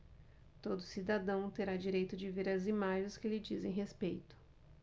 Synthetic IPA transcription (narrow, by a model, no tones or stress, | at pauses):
t̪od̪ʊsid̪ad̪ɐ̃w̃t̪eɾad͡ʒiɾejt̪ʊd͡ʒɪveɾɐzimaʒẽskɪlɪd͡ʒizẽj̃ɦespejt̪ʊ̥